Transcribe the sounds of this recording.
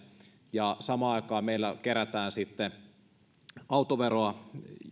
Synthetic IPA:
jɑsɑmɑːɑˑikɑːmeilːækeɾæt̪æːnsit̪ːe | ɑut̪oʋeroɑ

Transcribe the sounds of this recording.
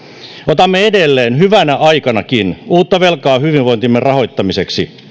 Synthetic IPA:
ot̪ɑmːeedelːeːnɦyʋænæʔɑjkɑnɑkinuːt̪ːɑʋe̞lkɑːɦyʋinʋo̞nt̪imːerrɑɦo̞jt̪ːɑmiseksi

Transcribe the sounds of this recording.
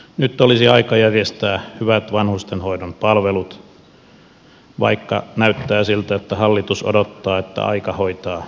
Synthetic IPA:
nyt̪ːolisiɑikɑjærjest̪æːhyʋæt̪ʋɑnhust̪enhoidompɑlʋelut̪ | ʋɑ̰ikːɑ̰næyt̪ːæːsilt̪æet̪ːæhɑlːit̪uso̰dot̪ːɑːet̪ːæ̰ʔɑ̰ikɑhoit̪ɑː

